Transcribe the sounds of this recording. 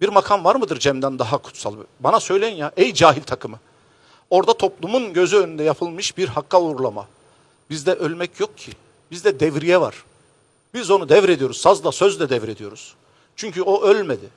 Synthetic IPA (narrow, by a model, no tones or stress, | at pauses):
b̥iɾmakʰanvaɾmɯd̪ɯɾd͡ʒɛmd̪ænd̪aɦakʰu̥t̪sa̰lˠbbanasø̞jlʲejinjaʔɛjd͡ʒaːɦilʲt̪ʰakʰɯmɯ | o̞ɾd̪at̪ʰo̞plˠumunɟø̞zyønynd̪ɛjapʰɯlˠmɯʃbiɾhakʰːauːɾlˠama̰ | bizd̪ɛʔølʲmɛcʰjok̚cʰi | bizd̪ɛd̪ɛvɾijɛva̰ɾ̥ | bizo̞nud̪ɛvɾe̞d̪ijo̞ɾuzsazlˠasøzd̪ɛd̪ɛvɾe̞d̪ijo̞ɾuz̥ | t͡ʃʰyɲcʰyo̞ʔølʲmed̪ɪ